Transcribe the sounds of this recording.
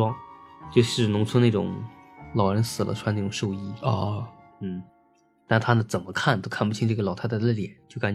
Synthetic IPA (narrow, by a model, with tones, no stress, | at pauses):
wɑ˥ŋt͡ɕjo˥˧ʊʂɻ̩˥˩nʊ˧˥ŋt͡sʰwə˥na˥˩ʈ͡ʂʊ̰˨˩˦ŋlɑ˨˩ʊɻə˧˥nsɹ̩˨˩lʔə̰˦ʈ͡ʂʰwa˥ne˥˩ʈ͡ʂʊ˨˩ŋʂo˥˧ʊi˥˧ | n̩˥˩ | t̪a˥˩t̪ʰa˥d̪ə˨t͡sə˨˩nmə˦kʰa˥˩nt̪o˥kʰa˥˩npu˥˩t͡ɕʰi˥ŋʈ͡ʂɤ˥˩ɡə˩lɑ˨ʊt̪ʰa˥t͡slə˥˩ljɛ̰˨˩˦nt͡ɕjo˥˩ka˧˥